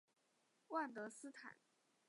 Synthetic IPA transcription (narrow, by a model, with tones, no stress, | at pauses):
wa˥˩nt̪ɤ˧˥sɹ̩˥t̪ʰa̰˨˩˦n